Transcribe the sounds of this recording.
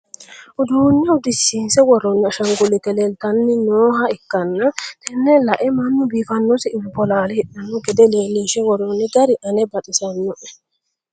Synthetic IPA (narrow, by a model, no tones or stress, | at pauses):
ʔʊd̪uːɲːɐwd̪ɪsːiːnsɛwɔɾɔnːɐʃɐŋɡʊlɪt̪ɛlɛlt̪ɐnːɪnoːɦɐɪkːɐnːɐt̪ʰɛnːɛlɐʔɛmɐnːʊbiːfɐnːɔsɪɪbːɔlaːlɛhɪɗɐnːʊɡɛd̪ɛleːlːinʃɛwɔɾɔnːɪɡɐɾɪʔɐnɛbɐt̪ʼɪsɐnːʊʔɛ̥